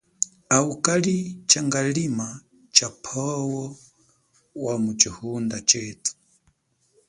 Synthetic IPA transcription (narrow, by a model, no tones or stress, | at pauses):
aukʼalit͡ʃaŋɡalima | t͡ʃapʰɔwɔ | wamut͡ʃihundat͡ʃɛːtu̥